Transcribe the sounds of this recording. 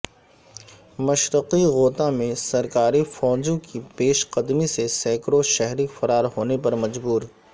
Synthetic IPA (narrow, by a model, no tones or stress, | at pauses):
mɐʃɾəqiɣoːt̪ãmẽsɐɾkaːɾifɔːd͡ʒõkipeːʃqɐd̪misesɛːkɾoʃɛɦɾifɐɾaːɾɦoːnepɐɾmɐd͡ʒbuːɾ